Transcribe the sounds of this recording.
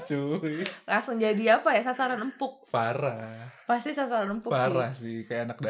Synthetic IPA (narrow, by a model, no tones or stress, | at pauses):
t͡ʃulaŋsʊŋd͡ʒadiapajasasaɾanəmpʊk̚faɾahpast̪isasaɾanəmpʊaɾahsɪhkajaːnak̚da